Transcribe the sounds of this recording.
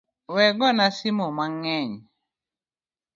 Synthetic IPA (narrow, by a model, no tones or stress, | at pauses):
wɛɡɔnasimɔmaŋɛɲ